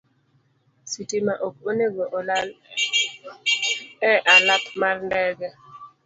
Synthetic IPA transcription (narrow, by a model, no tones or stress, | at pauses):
sitimaʔok̚oneɡoʔɔlal | ɛʔalapmarndɛɡɛ